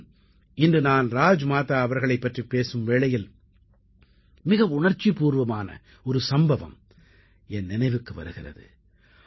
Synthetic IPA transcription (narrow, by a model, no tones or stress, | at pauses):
ɪndrɯnaːnɾaːd͡ʒmaːt̪aːɐʋɐɾɣɐɭɐɪpːɐʈripeːsɯmʋeːɭɐjɪl | mɪɣɐʋʊɳɐɾt͡ʃːipuːɾʋɐmaːnɐ̰ | ɔɾɯsɐmbɐʋɐ̰m | ɛnːɪnɐɪʋɯkːɯʋɐ̰ɾɯɣɪrɐ̰ðɯ̰